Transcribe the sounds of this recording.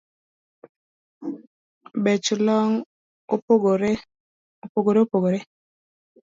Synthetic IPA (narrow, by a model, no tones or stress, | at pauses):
bɛt͡ʃʊlɔŋ | opoɡo | opoɡoɾeopoɡoɾe